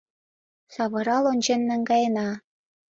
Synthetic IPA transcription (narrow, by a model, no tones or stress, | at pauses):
sɑβɤ̆ɾɑlonʲt͡ɕenːæŋɡɑjenɑ